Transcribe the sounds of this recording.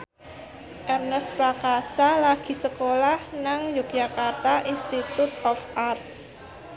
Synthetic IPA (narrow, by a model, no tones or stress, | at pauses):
ʔɛrnəspɾakasalaɡ̥i̤səkolahnaŋjuk̚ʒakart̪aʔinst̪it̪ut̪ɔfʔart̪̚